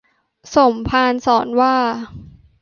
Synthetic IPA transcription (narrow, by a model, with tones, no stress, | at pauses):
so˨˩˦mpʰaː˧nsɔː˩˦nwaː˥˩